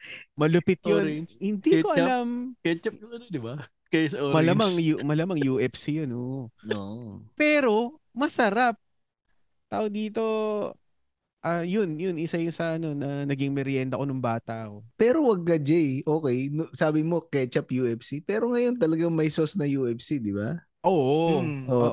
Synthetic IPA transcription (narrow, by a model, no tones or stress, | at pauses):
mɐlʊpɪt̪̚jonhɪnd̪iːkoʔɐlamkɛt͡ʃɐp̚ɐnod̪ɪba | kɐsmɐlɐmaŋjumɐlamɐŋjuʔɛfsijonooːʔpɛːɾo̞ | mɐsɐɾap̚ | t̪aːʔod̪iːt̪o̞ | ʔajʊnjʊnʔɪsajʊŋsɐʔɐno̞nɐnɐɡɪŋmɛɾjɛnt̪ɐ̰konʊŋbaːt̪ɐʔɐko̞pɛːɾo̞wɐɡ̚kɐd͡ʒɛjʔo̞ːkɛjnosaːbɪmo̞kɛt͡ʃɐpjuːʔɛfsipɛːɾo̞ŋɐjo̞nt̪ɐlɐɡaŋmɐjsosnɐjuːʔɛfsid̪ɪba | ʔoːʔʔo